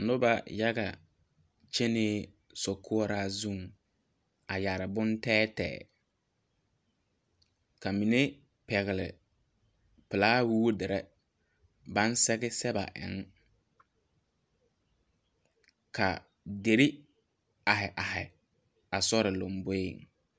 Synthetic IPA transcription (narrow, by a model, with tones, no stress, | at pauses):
nʊ˦ba˨ja˦ɡa̰˨ | t͡ʃe˦neː˦ | sɔ˨kʰʊ˦ɔ˦ɾa˦zu˦˨ŋ | a˨ja˨ɾɪ˨bʊ˦ntɛː˦tɛ̰ː˨ | ka˨mi˨ne˦ | pɛ˨ɣɪ˨lɪ̰˨ | pɪ˨laː˦wu˦wu˦dɪ˨ɾɛ˦ | ba˦n˦sɛ˦ɡɪ˦sɛ˦ba̰˨ʔɪ̰˨˦ŋ | kʰa̰˨ | de˨ɾi˦ | a˨ɦɪ˨ʔa˨hɪ˨ | a˨sɔ˦ɾɪ˨lo˨mbo˦ḛ˨ŋ